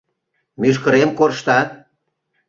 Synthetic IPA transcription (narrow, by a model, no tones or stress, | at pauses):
myʃkəɾemkorʃt̪ɑt̪̚